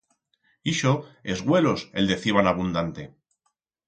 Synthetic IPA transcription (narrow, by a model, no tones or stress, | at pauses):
iʃoe̞zɣwe̞lo̞se̞ld̪e̞θiβ̞anaβ̞und̪ant̪e̞